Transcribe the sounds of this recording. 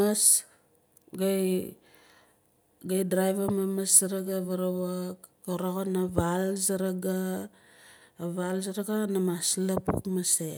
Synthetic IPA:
as | ɡaj | ɡajdɾajvamamasaɾaɡaβaɾawakkoɾoɣonavalzaɾaɡa | βalzaɾaɡanamaslapṵkmase

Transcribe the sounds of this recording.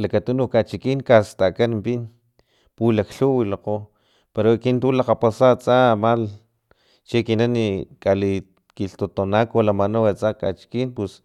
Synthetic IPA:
lakat̪unukat͡ʃikiŋkast̪akanmpin | pulakɬuwilaqo | peɾokint̪ulaqapasat͡sʼamal | t͡ʃekinanikali | kiɬt̪ot̪onakolamanawat͡saka̰t͡ʃi̥kinpus

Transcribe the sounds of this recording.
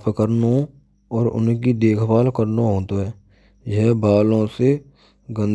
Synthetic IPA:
pʰkəɾno | ɔːɾʊ̰nkid̪eːkʰpaːlkəɾnoɦoːt̪oɦɛː | jɛɦbaːlõse | ɡə̃n

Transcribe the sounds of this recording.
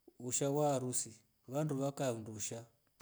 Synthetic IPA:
uʃawaɾusi | βanduβakanduʃa

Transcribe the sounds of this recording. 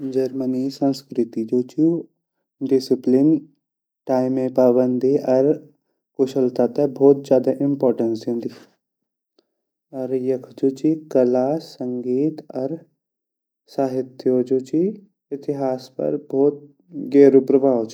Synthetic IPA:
d͡ʒɐɾmənisə̃nskɾɪt̪id͡ʒoːt͡ʃu | ɖɪsɪplin | ʈaːɪmẽpaːbənd̪ʱiʔɐɾ | koʃəlt̪at̪ɐbʱɔːt̪̚d͡ʒjaːd̪aʔɪmpɔːɾʈənsẽːnd̪i | ɐɾjɐkʰd͡ʒoːt͡ʃikɐlaːsɐŋɡiːt̪ɐɾ | saːɦɪt̪jod͡ʒoːt͡ʃi | ɪt̪ɪɦaːspɐ̰ɾbʱɔːt̪̚ | ɡeːɾupɾəbʱaːʋot͡ʃi

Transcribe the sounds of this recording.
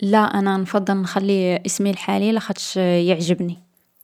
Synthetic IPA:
læʔænænfɑd̪ˤːəlnxælːiʔəsmilħalilæxæt̪ʃjəʕʒəbni

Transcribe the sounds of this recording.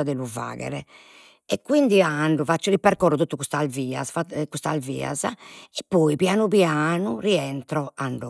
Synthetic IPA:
ad̪ɛluva̰ːɣɛ̰ɾɛ | ɛkːwind̪iaɳɖufat͡ʃːɔlipːɛɾkɔːrːut̪uːt̪ːukust̪alviːa̰sfakust̪alvḭːa̰zaɛpːɔːipjaːnupjaːnuriɛnt̪ɾɔaɳɖ

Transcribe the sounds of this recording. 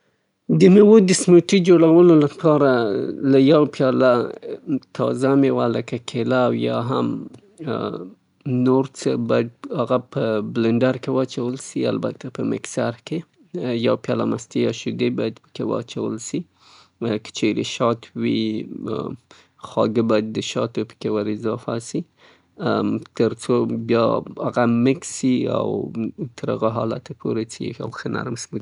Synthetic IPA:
d̪əmewod̪əsmoʈid͡ʒoɽawəlolapʰɑɾalajawpjɑla | t̪ʰɑ̰zamewaləkakʰelawjɑ̰ɦa̰m | noɾt͡səbɑjad̪̚haɣapəblɪɳɖaɾkewat͡ʃawəlsia̰lba̰t̪ʰapəmɪ̰ksaɾke | jawpjalamast̪ijɑʃʊd̪ebɑjad̪pə̥kewa̰t͡ʃawə̰lsi | kə̥t͡ʃeɾeʃɑt̪ʰwi | xɑɡəbɑjad̪ːəʃɑt̪opə̥kewaɾɪzɑfasi | t̪əɾt͡sobjɑaɣamɪksia̰wt̪ʰəɾa̰ɣaɦɑla̰t̪ʰapʰoɾet͡sia̰wxəna̰ɾmsmə

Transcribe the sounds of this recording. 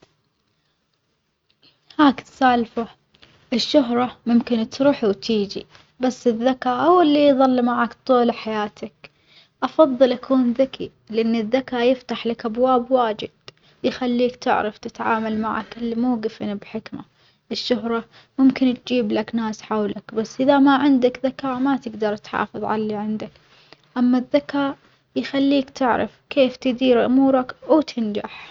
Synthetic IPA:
haːkt̪saːlfa | ʔɪʃːʊɦɾˤɑmʊmkɪnt̪ɾuːħiwt̪ʰiːd͡ʒḭ | basːɪðːakaːʔawːalːiðˤɑlːmaʕaːkt̪ˤuːlaħajaːt̪ʰak | ʔɑfɑðˤːɨlʔakuːnðaki | lɪʔanːɪðːakaːjɪft̪aħlakʔabwaːbwaːd͡ʒɪ̰d̪̥ | jɪxalːiːkt̪ɪ̰ʕɾɑft̪ɪt̪ʕa̰ːmalma̰ʕa̰kɪlːimuːɡɪfɪnbħɪkma | ʔɪʃːʊɦɾˤɑ | mʊmkɪnt̪d͡ʒiːblaknaːsħawlakbasːʔɪðamaʕɪnd̪akðakaːmat̪ɪɡd̪ɑɾˤt̪ħɑ̰ːfɨðˤʕa̰lːiʕɪnd̪ak | ʔamːaðːakaː | jxalːiːkt̪ɪʕɾɪ̰fkʰeːft̪ɪd̪iːɾʔʊ̰muːɾˤɑkwt̪ʰɪnd͡ʒaħ

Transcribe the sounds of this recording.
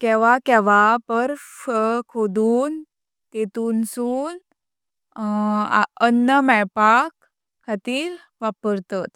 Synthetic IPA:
kɛʋakɛʋapəɾ | kʰod̪uːn | t̪et̪uːnsuːn | ənːəmɛjpakʰː | at̪iːɾ | ʋapəɾt̪at̪

